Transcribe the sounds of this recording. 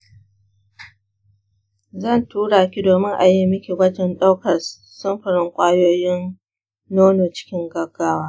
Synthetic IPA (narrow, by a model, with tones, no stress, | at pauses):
zɐ˦˨ntuː˦ɽaː˨kʲi˦doː˨mɪ˦ŋʔa˨ji˦mɪ˦kʲi˨wɐ˦d͡ʒɛ˦nɗa˦wkɐ˨s | sʊ˦mɸɐ˨ɽɪ˦ŋkʷʼaː˦joː˦jɪ˦nː | oː˦noː˨t͡ʃɪ̥˦kʲɪ˦ŋɡɐ˦ɡːaː˦waː˦